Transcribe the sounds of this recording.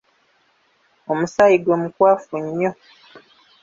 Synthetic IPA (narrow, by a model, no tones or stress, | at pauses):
omusajiɡwe̞mukwaːfuɲːo̞